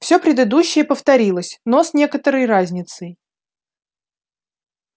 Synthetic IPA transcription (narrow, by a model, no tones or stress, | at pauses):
fsʲopɾʲɪd̪ɨd̪uɕːɪjəpəft̪ɐɾʲilˠəsʲnosnʲe̞kət̪əɾəjrazʲnʲɪt̪səj